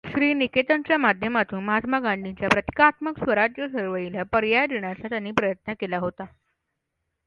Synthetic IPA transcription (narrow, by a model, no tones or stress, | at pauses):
ɕɾiːniket̪ənt͡ɕjamad̪ʱjəmat̪uːnmɦat̪maɡãɳɖit͡ɕjapɾət̪i̥kaːt̪məksʋəɾad͡ʑjəsəɾʋəilapəɾjajd̪eɳ̃jat͡sat̪janːiːpɾəjət̪nəkelaɦot̪a